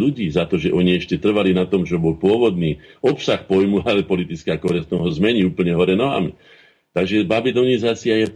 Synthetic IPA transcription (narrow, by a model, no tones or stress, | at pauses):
luɟiːzat̪ɔʒɛʔɔɲiɛʃcɛt̪r̩ʋalinat̪ɔmt͡ʃɔbɔlpʊɔʋɔd̪niːɔpsaxpɔjmualɛpɔlit̪it͡skakɔɦɾɛst̪ɔɦɔzmɛɲiuːpl̩ɲɛɦɔɾɛnɔɦa̰mḭ | t̪aɡʒɛbabilɔnizaːt͡siajɛ